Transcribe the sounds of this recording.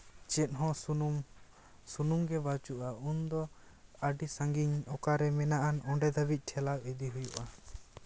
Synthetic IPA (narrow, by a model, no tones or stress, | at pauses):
t͡ʃɛt̪̚ɦɔ̃ | sunumɡɛbat͡ʃuʔaund̪ɔ | aɖisãŋɡiɲɔkaɾɛmɛnaʔanɔɳɖɛd̪abic̪̚ˀʈʰɛlak̚ɛd̪iɦujuʔa